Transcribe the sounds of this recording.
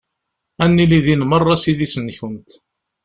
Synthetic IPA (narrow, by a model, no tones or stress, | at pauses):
ænːiliðinmərˤːɑsiðisənçənt̪